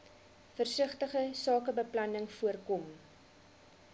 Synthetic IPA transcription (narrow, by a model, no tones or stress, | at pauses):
fərsəχtəχəsɑːkəbəplɐnəŋfuərkɔm